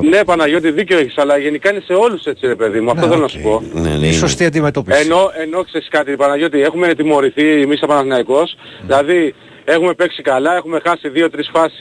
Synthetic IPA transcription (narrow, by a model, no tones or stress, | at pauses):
ne̞pɐnɐʝo̞t̪̬iðiceoeçisɐlɐʝe̞nikɐine̞se̞o̞luse̞t͡siɾe̞pe̞ðimuɐft̪o̞θelo̞nɐsu̥po̞n̰isost̪iɐnd̪imet̪opieno̞e̞no̞kseɾiskɐt̪ipɐnɐʝo̞t̪iexumet̪imo̞ɾiθiːmisɐpɐnɐθnɐiko̞s | ðilɐði | e̞xume̞pe̞ksikɐlɐexume̞xɐsiðio̞t̪ɾisfɐsi̥s